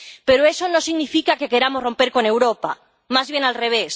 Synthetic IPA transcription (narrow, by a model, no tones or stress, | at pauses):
peɾoesonosiɣnifikakekeɾamozrõ̞mpeɾkone̞wɾopa̰ | mazβjenalreβ̞es